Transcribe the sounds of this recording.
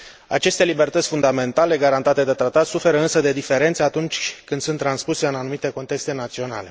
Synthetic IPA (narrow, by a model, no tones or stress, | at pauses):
a̰t͡ʃe̞st̪e̞libe̞rt̪ətsʲfund̪ame̞nt̪ale̞ɡaɾant̪at̪e̞d̪e̞t̪ɾat̪at̪sufe̞ɾəɨnsəd̪e̞d̪ife̞ɾe̞nt̪seat̪unt͡ʃʲkɨnd̪sunt̪ːɾanspuseɨnanumit̪e̞ko̞nt̪e̞kst̪e̞nat̪sio̞na̰le̞